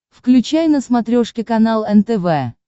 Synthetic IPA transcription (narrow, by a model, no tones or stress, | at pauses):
fklʲʉt͡ɕajnəsmɐt̪ɾʲoʂkʲɪkɐnalˠɛnt̪ɛvɛ